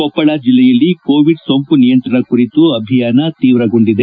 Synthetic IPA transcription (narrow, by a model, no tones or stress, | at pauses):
ɔpːɐɭad͡ʒilːɛjɐlːiko̞ːʋiɖsompunijɐnt̪ɾɐɳɐkuɾit̪uɐbʱijaːnɐt̪iːʋɾɐɡoɳɖid̪e